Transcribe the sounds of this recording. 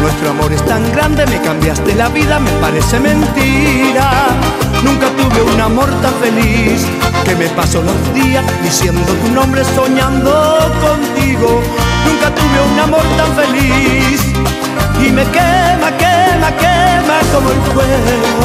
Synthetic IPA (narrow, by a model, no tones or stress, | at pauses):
nwe̞st̪ɾoamo̞ɾe̞st̪aŋɡɾand̪e̞me̞kambjast̪e̞laβiðame̞paɾe̞se̞mẽ̞nt̪iɾa | nũŋkat̪uβe̞unamo̞ɾt̪aɱfe̞lis | ke̞me̞paso̞lo̞zðiasd̪isje̞nd̪o̞t̪unõ̞mbɾe̞so̞ɲãnd̪oko̞nt̪iɣo̞ | nũŋkat̪uβeunamo̞ɾt̪aɱfe̞lis | ime̞kemakemakemat̪oðoelxweɣo